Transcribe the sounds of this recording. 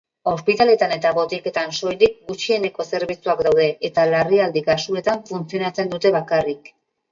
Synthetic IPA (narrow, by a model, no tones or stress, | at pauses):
o̞spit̪ale̞t̪ane̞t̪aβo̞t̪ike̞t̪anso̞jlik̚ɡut͡ʃie̞ne̞ko̞se̞ɾβit͡suakd̪awðe̞ʔːt̪alariald̪ikasue̞t̪aɱfunt͡sio̞nat͡se̞nd̪ut̪e̞βakarik